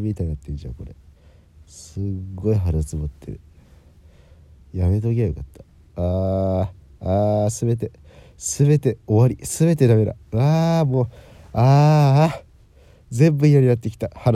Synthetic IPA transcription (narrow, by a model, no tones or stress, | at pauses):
mʲit̪ainat̪ːẽnd͡ʑa̰ko̞ɾḛ | sɨɡːo̞iɦaɾat͡sɨmot̪ːḛɾɯ̟̰ | jame̞t̪oɡʲejokat̪ːḁ | a | asɨbe̞t̪e̞ | sɨbe̞t̪e̞o̞βaɾʲisɨbe̞t̪e̞d̪ame̞d̪a̰ɯamo̞ːa | zẽ̞mbɯioɾinat̪ːe̞kʲi̥t̪ahaɾ